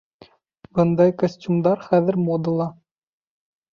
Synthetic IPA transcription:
b̥ɤnd̪ɑjkosʲtʲumd̪ɑɾχæðɘ̆ɾmod̪ulˠɑ

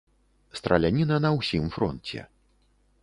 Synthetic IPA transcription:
st̪ɾɐ̰lʲanʲinɐnɐwsʲimfɾɔnt͡sʲɛ̰

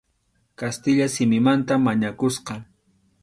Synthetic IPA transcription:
kast̪ɪʎasɪmɪmant̪amːaɲakʊsqɑ

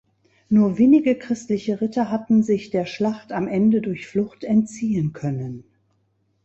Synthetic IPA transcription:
nuːɐveːnɪɡəkʁ̥ɪstlɪçəʁɪtɐɦatn̩zɪçd̥eːɐʃlaχtamʔɛndədʊɐçflʊχtɛntt͡siːənkʰœnən

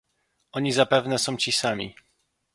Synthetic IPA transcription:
ɔɲizapɛvnɛsɔ̃w̃t͡ɕisamʲḭ

